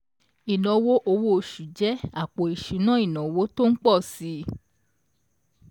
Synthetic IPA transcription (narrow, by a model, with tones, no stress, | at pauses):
i˨nɔ̃˨wo˦ʔo˧wo˦o˧˨ʃu˨d͡ʒɛ˨˦a˨k͡po˨i˨ʃu˨˦nã˦i˦˨nã˨wo˦to˦n̩˦k͡pɔ˦˨si˧˦